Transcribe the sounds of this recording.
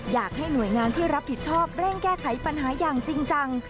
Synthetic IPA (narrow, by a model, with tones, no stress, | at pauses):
jaː˨˩k̚ha˥˩jnu˨˩əjŋaː˧nt̪ʰiː˥˩ɾa˦˥p̚ʰːi˨˩t̪̚t͡ɕʰɔː˥˩p̚ɾɛː˥˩ŋkɛː˥˩kʰa˩˦jpa˧nɦaː˩˦jaː˨˩ŋt͡ɕi˧ŋt͡ɕa˧ŋ